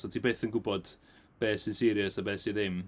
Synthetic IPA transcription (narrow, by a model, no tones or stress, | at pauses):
sɔtʰiːbeːθənɡʊbɔd̥ | b̥ɛːsisɪɾjəsabɛːsiðɪm